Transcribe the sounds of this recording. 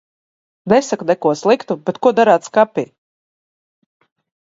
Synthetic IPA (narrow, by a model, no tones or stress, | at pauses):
nɛsaknɛkuɔslˠikt̪ubet̪kuɔd̪aɾaːt̪skapʲḭ